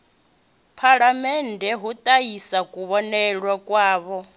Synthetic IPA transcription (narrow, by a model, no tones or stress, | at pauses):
pʰaɺamɛndʱɛɦut̪ʼaisakʼuβɔnɛɺwakʼwaːβɔ